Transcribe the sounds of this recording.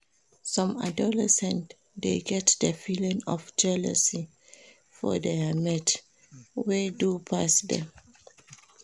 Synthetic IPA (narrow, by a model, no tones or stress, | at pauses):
sɔ̃ma̰dɔlɛsɛ̃nt | deɡɛtdəfilĩŋɔfd͡ʒɛlɛ̰si | fɔ̰deamɛt | wedupʰasdɛ̰̃m